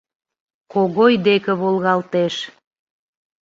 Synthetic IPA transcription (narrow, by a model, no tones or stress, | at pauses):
koɣojd̪ekə̆βolˠɣɑlt̪eʃ